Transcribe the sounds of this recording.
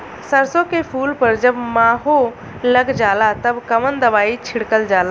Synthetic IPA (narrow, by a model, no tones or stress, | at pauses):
səɾsõkepʰuːlpəɾd͡ʒəbmaːɦo | ləɡd͡ʒaːlat̪əbkəmənd̪əʋaːit͡ʃʰɪɽkəld͡ʒaːla